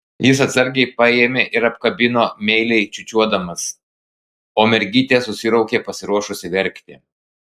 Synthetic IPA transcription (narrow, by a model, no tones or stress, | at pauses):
jɪs̬ɐt̪sɐɾʲɡʲɛɪpɑjeːmʲeʔɪɾɐpkɐbʲɪnoːmʲɛɪlʲɛɪt͡ʃʲʊt͡ʃʲuɔd̪ɐmɐs | oːmʲɛɾʲɡʲiːt̪ʲeːsʊsʲɪɾɐʊkʲeːpɐsʲɪɾuɔʃʊsʲɪʋʲɛɾʲˑkt̪ʲɪ̰